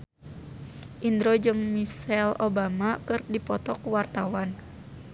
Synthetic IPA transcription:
ʔind̪ɾod͡ʒɨŋmisɛlobamakɨrdipɔt̪ɔkwart̪awan

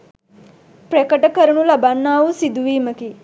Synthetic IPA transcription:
pɾekəʈəkəɾuɳulabanːaːusid̪uʋiːməki

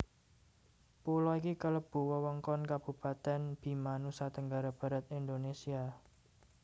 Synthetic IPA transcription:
pulɔikikələb̥ṳwəwəŋkɔnkab̥ṳpat̪ɛnb̥i̤manusat̪əŋɡaɾab̥a̤ɾat̪ind̪onesia

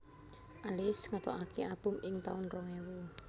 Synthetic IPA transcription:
ʔalɪsŋat̪ɔʔakʰeʔab̥ʊmɪŋt̪aʊnrɔŋewu

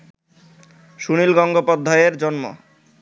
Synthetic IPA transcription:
ʃunilɡɔŋɡopod̪ʱːaeɾd͡ʑɔnmo̰

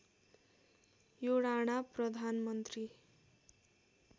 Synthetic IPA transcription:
joɽaɽ̃aprʌd̪ʱanmʌnt̪ri

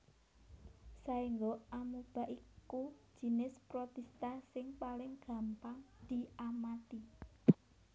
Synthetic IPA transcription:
saiŋɡoamub̥a̤ʔiku̥ʒ̥i̤nɪspɾot̪ɛst̪asɪŋpalɪŋɡ̥ä̤mpaŋd̪̥i̤amat̪i

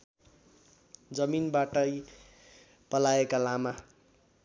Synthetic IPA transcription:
d͡zʌminbaʈʌj | pʌlaekalama

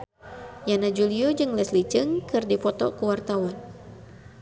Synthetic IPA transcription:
janad͡ʒuliɔd͡ʒɨŋlɛslit͡ʃɨŋkɨrdipɔt̪ɔ̰kəwart̪awan

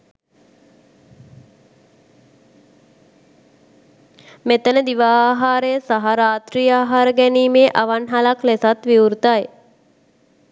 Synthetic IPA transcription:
met̪ənəd̪iʋaːɦaːɾəjəsaɦaɾaːt̪ɾiːaːɦaɾəɡɛniːmeːʔaʋanɦalaklesat̪ʋiuɾt̪aj

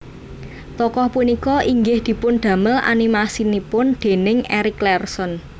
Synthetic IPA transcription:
t̪ɔkɔhpunikɔʔiŋɡɪhd̪̥i̤pʊnd̪̥ä̤məlʔa̰nimasinipʊnd̪̥e̤nɪŋɛɾɪklɛrsɔn

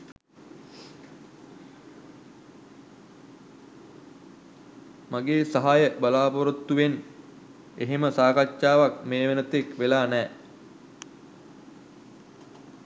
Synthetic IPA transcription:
maɡeːsaɦajəbalaːpoɾot̪ːuʋen | eɦeməsaːkat͡ʃːaːʋak̚meːʋenət̪ekʋelaːnɛː

